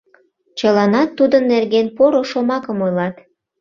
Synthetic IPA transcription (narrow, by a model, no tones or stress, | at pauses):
t͡ɕəlɑnɑt̪ːud̪ənːerɣenpoɾoʃomɑkəmojlɑt̪